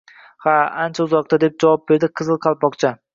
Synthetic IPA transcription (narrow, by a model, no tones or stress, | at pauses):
haant͡ʃʰaʊzɒq̚t̪ʰad̪e̞p̚d͡ʒavɒp̚be̞ɾd̪ɪqʰɨzɨlˠqʰɑlˠpɒqt͡ʃʰa